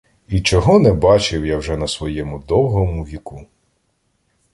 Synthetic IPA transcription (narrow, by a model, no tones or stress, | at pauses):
it͡ʃɔɦɔnɛbɑt͡ʃɪwjawʒɛnɐsʋɔjɛmʊd̪ɔwɦɔmʊʋʲiku